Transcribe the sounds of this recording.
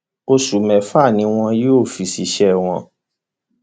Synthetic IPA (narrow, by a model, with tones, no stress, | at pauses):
o˧ʃu˨mɛ̃˨fa˦˨nĩ˧˦w̃ɔ̃˧jo˦˨fi˨si˨˧˦ʃɛ˦˨w̃ɔ̃˧